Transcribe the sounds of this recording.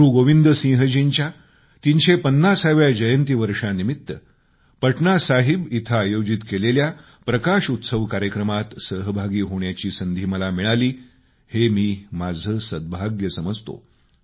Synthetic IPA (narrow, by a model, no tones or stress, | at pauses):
ɾuɡoʋind̪əsĩɦəd͡ʑiɲt͡ɕja | t̪inɕepənːasaʋjad͡ʑəjənt̪iːʋəɾʂanimit̪ːə | pəʈnasaɦibit̪ʰaːjod͡ʑit̪kelelja | pɾəkaʂut̪səʋkaɾjəkɾəmat̪səɦəbʱaɡiːɦoɳjat͡ɕiːsənd̪ʱiːməlamiɭaliː | hemiːmad͡zʱəsəd̪̚bʱaɡjəsəməd͡zt̪o̰